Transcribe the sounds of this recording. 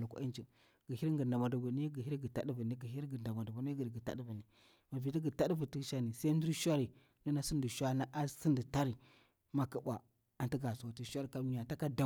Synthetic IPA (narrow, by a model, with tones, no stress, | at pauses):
lu˨kʷa̰˨˦i˦nt͡ʃi˨ | ɡ̥ə˨hi˦ɾŋɡə˨nda˨ma˨du˨ɡu˨ni˦ɡi˨hi˦ɾɡə˨ta̰˦ɗi˦vu˨ni˦ɡi˨hi˦ɾɡə˨nda˨ma˨du˨bu˨ni˦ɡi˨ɾɡə˨ta̰˦di˦vu˨ni˨ | ma˨vi˨ti˦ɡə˨ta˦dvu˨ti˦ʃa˦ni˨sa˦i˦n˦du˦ɾʃʷa˦ɾi˨ | ndə˦na˦si˦ndi˨ʃʷa˦na˦ʔa˦si˦ndi˨ta˦ɾi˨ | ma˨kə˦bʷa˨ | a˨nti˦ɡa˨su˨a˨ti˨ʃʷa˦ɾi˨ka˦˨a˨ta˦ka˦da˦